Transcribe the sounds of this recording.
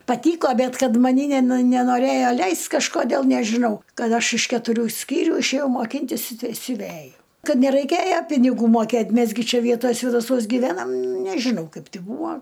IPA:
pɐˈtʲiːkoː ˈbʲɛt ˈkɐt mɐˈnʲiː nʲɛˈnʊ nʲɛnoːˈrʲeːjoː ˈlʲɛɪsʲtʲ kɐʃkoːˈdʲeːlˠ nʲɛʒʲɪˈnɐʊ ˈkɐt ˈɐʃ ɪʃ kʲɛtʊˈrʲuː ˈsʲkʲiːrʲuː ɪʃʲeːˈjɛʊ moːˈkʲiːnʲtʲɪs ɪ sʲʊˈʋʲæjʊ ˈkɐt nʲɛrɐɪˈkʲeːjɛ pʲɪnʲɪˈɡuː moːˈkʲeːtʲ ˈmʲɛs ɡʲɪ ˈt͡ʃʲɛ ˈʋʲiɛtoːj sʲʋʲeːdɐˈsuɔs ɡʲɪˈʋʲæːnɐm nʲɛʒʲɪˈnɐʊ ˈkɐɪp ˈbuːɐ

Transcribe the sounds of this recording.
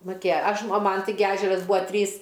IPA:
mʊˈkʲeːjɛ ˈɐʃ ɐ ˈmɐn ˈtʲɪɡʲɪ ˈæːʒʲɛrɐs ˈbʊɐ ˈtʲrʲiːs

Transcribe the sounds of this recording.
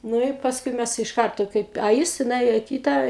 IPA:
ˈnʊ ɪ pɐsˈkʊɪ ˈmʲæs ɪʃ ˈkɐrtoː ˈkɐɪp ɐ ˈjɪs tʲɪ nʊˈeːjoː ɪ ˈkʲiːtɐ

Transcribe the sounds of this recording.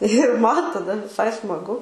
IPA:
ɪr ˈmɐn tɐˈdɐ ʋʲɪˈsɐɪ smɐˈɡʊ

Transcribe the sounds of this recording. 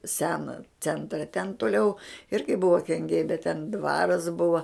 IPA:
ˈsʲæːnoː ˈt͡sʲɛntrɐ tʲɛn tʊˈlʲɛʊ ˈɪrʲɡʲɪ ˈbʊʋoː kʲɛŋʲˈɡʲɛɪ bʲɛt tʲɛn ˈdʋɑːrɐs ˈbʊʋɐ

